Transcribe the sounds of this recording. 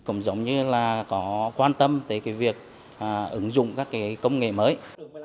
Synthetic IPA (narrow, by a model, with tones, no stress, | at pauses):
kʊ̰˧˩ŋ͡mzə˨˦wŋ͡mɲɨ˧laː˨˩kɔ˨˦kwaː˧nt̪ə˧mt̪əː˨˦kaː˨˦jvi˨˩ək̚ | ʔːʔɨ˨˦ŋzʊ̰˧˨ŋ͡mkaː˦˥kːaː˨˦jkə˧wŋ͡mŋḛ˧˨məː˨˦j